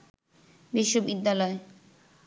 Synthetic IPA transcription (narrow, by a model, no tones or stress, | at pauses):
biʃːobid̪ːalɔe